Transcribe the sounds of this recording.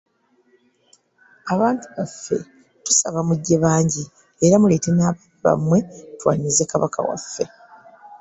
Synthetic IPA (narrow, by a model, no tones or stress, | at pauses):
aβaːntuβafːe̞̰ | tu̥saβamuɟːe̞βaːɲɟi | eɾamule̞te̞naːβaiβa̰mwe̞twa̰ːɲizekaβakʰa̰wa̰fːe̞̰